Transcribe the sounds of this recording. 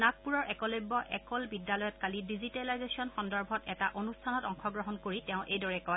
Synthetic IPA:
nak̚puɹɔɹʔɛkɔlojbɔʔɛ̰kɔlbidːalɔjɔtkalidizitɛlajzesiɔnxɔndɔɹbʱɔtɛtaʔonustʰanɔtɔŋxɔɡɹɔɦɔnkoɹitɛʊ̃ʔejdɔɹɛkɔj

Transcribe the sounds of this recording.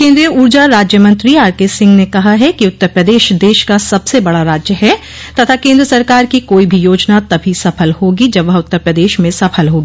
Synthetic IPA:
kẽːnd̪ɾijəuːɾd͡ʒaɾaːd͡ʒjəmɐ̃nt̪ɾiaːɾkeːsɪ̃ŋɡnekɐɦaɦɛkiʊt̪ːəɾpɾəd̪eːʃd̪eːʃkasɐbsebɐɽaɾaːd͡ʒjəɦɛ | t̪ɐt̪ʰakẽːnd̪ɾəsɐɾkaːɾkikoːibʱijoːd͡ʒnat̪ɐbʱisɐpʰəlhoːɡid͡ʒɐbʋɐɦʊt̪ːəɾpɾəd̪eːʃmẽsɐpʰəlɦoːɡiː

